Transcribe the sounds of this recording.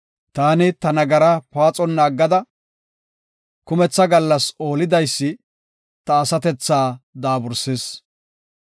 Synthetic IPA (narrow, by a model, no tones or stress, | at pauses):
t̪aːnɪt̪ɐnɐɡɐɾɐpaːt͡sʼɔnːɐːɡːɐd̪ɐ | kʊmɛt͡sːɐɡɐlːɐso̞ːlɪd̪ɐjsːɪ | t̪ɐːsɐt̪ɛt͡sːaːd̪aːbʊɾseːs